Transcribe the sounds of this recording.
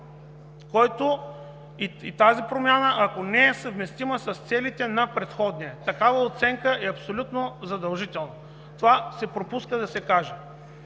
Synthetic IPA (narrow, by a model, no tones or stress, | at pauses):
kɔjt̪o | iit̪azipɾomʲjanəʔɐkonɛɛsɐvmɛst̪iməsɐst̪sɛlit̪ɛnɐpɾɛt̪xɔd̪nʲiɛt̪ɐkavəot̪sɛŋkəɛɐpsolʲut̪nozɐd̪ɐlˠʒit̪ɛlˠnə | t̪ovasɛpɾopuskəd̪ɐsɛkaʒɛ